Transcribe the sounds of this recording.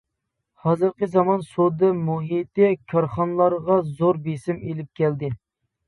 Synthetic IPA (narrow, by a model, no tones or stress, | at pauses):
hɑzɨɾqəzɑmɑnsod̪ɨmuɦit̪ɪkʲʰɑɾχɑnlˠɑɾʁɑzoɾbesɪmelɪp̚kʲʰɛld̪ɪ